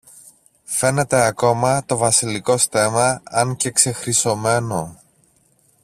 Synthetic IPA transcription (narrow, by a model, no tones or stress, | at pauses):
fe̞ne̞t̪e̞ɐko̞mɐt̪o̞vɐsiliko̞st̪e̞mɐɐŋce̞kse̞xɾiso̞me̞no̞